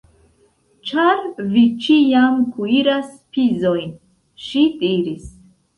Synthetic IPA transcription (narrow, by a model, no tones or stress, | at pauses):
t͡ʃaɾvit͡ʃijamkʰuiɾaspizojn | ʃid̪iɾis